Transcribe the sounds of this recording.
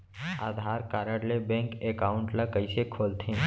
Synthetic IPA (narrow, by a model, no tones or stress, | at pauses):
aːd̪ʱaːɾkaːɾəɽlebɛ̃ŋkekaːʊɳʈlakəɪsekʰoːlt̪ʰẽː